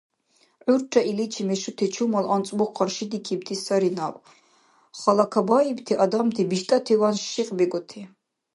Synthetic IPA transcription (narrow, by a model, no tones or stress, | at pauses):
ʕuɾt͡ʃʰʼaʔilit͡ʃʰimɛʃut̪ʰɛt͡ʃʰumalant͡sʼmɔqʰːaɾʃid̪ikʰibt̪ʰisaɾinab | χalakʰabaibt̪ʰiʔad̪amt̪ʰibiʃt̪ʼat̪ʰivanʃiqʼbiɡɔt̪ʰi